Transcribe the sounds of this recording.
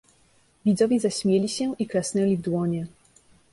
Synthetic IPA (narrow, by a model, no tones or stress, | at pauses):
vʲid̪zɔvʲɛzaɕmʲjelʲiɕɛʔikɾɛsnɛlʲivd̪wɔɲɛ